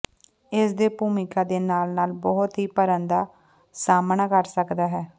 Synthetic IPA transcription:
ɪsd̪eːpuːmɪkaːd̪eːnaːlnaːlbɔːɦʊt̪ɦiːpəɾənd̪aː | saːmənakəɾsəkd̪aːɦɛː

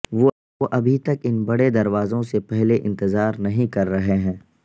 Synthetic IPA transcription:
ʋo | oʔɐbʱit̪ɐkɪnbɐɽed̪ɐɾʋaːzõsepɛɦleʔɪ̰̃nt̪ɪzaːɾnɐɦĩkɐɾːɐɦeɦɛ̃ː

